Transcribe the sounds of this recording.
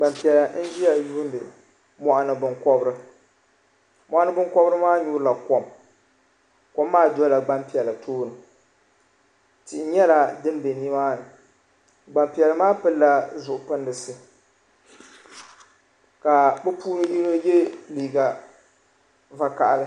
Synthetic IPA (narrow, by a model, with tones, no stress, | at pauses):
ɡ͡ba˨mpi˨ɛ˨lɨ˨n̩˦d͡ʒi˦ja˨juː˦ndɨ˨ | mɔ˨ʔa˨nɨ˨bɨ˦ŋkɔ˦bɨ˦ɾɨ˦ | mɔ˨ʔa˦nɨ˦bɨ˦ŋkɔ˦bɾɨ˦maː˦ɲuː˦ɾla˨kɔ˨m | kɔ˨mːaː˦dɔ˦la˨ɡ͡ba˦mpi˨ɛ˨lɨ˨tʰoː˦nɨ˨ | tɪ˨ʔɪ˨ɲɛ˦la˨dɨ˦n˦be˨ni˦maː˦nɨ˨ | ɡ͡ba˨mpi˨ɛ˨lɨ˨maː˦pɨ˦lla˦zʊ˨ʔʊ˨pɨ˦ndɨ˨sɨ˦ | ka˨bɛ˦puː˦nɨ˦ʔi˦no˦je˦liː˨ɡa˨ | va˦ka˨ʔa˨lɨ˦